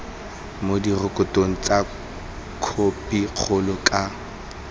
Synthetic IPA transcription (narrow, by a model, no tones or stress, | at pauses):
modirʊkʼʊtʼoŋ̩t͡sʼa | kʰopʼiq͡χʰʊlʊkʼa